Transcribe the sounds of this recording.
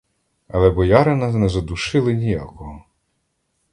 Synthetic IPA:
ɐlˠɛbɔjɑɾɪnɐnɛzɐd̪uʃɪlˠɪnʲija̰kɔɦɔ

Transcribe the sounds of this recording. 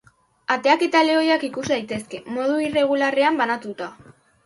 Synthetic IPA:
at̪e̞ake̞t̪aleo̞jakikusd̪ajt̪e̞ske̞mo̞ðuire̞ɣ̞ulare̞ambanat̪ut̪a

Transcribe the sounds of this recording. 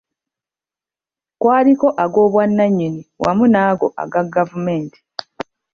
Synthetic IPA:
kwaːliko̞ʔaɡo̞ːβwanːaɲːiniwʔa̰munaːɡo̞ʔa̰ɡaɡːavumeːntʰi̥

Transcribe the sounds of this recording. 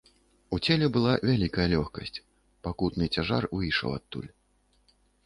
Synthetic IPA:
ut͡sʲɛlʲɛbɨlˠavʲalʲikɐjɐlʲɔxkɐsʲt͡sʲ | pakut̪nɨt͡sʲaʐa̰rvɨjʂɐ̰wa̰t̪ːṵlʲ

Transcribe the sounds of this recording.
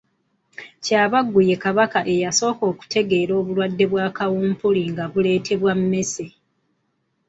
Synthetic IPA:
caːβaɡːuje̞kaβakaʔe̞jaso̞ːko̞ːku̥tʰe̞ɡe̞ːɾo̞ːβulwadːe̞βwaːkawuːmpuliŋɡaβule̞ːtʰe̞βwamme̞se

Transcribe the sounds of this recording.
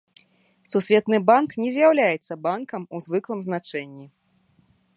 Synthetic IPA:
susʲvʲɛt̪nɨbanknʲɛzʲjawlʲajɛt̪sːɐbankɐmuzvɨklˠɐmznat͡ʂɛnʲːi

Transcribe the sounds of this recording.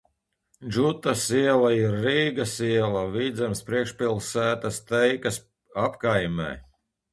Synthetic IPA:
ʒut̪asiɛlˠaiɾːiːɡasiɛlˠaviːd̪zɛmspɾiɛkʃpilˠsæːt̪ast̪ɛjkɐs | apkajmɛ̰ː

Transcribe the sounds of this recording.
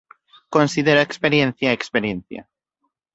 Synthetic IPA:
konsið̞eɾoekspeɾjen̟θjaekspeɾjẽnθja̰

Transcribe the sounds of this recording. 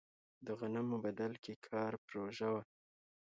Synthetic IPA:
d̪əɣanamʊbad̪alkekʰɑɾpɾoʒawa

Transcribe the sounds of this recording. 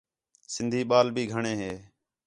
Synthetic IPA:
sɪnd̪ʱiːɓaːlbʱiːɡʱəɳeːɦeː

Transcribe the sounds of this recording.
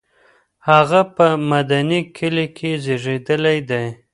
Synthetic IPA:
haɣapəmad̪anikʰɪlikʰezeʐed̪əlajd̪aj

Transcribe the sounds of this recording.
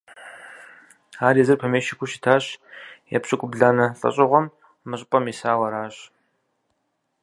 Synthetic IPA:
aːrjɛzɨrpʰɐmeːʃɪkʷʰʊʃɪtʰaːɕjɛ̰pɕʼɪkʷʼʊbɮaːnɐɬʼɐ̰ɕʼɪʁʷɔm | mɨɕʼɪpʼɐmisaːwɐɾaːɕ

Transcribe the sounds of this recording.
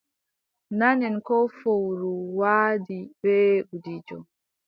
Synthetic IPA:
naɲɛnkɔfowɾuwaːdibɛʔudid͡ʒɔ

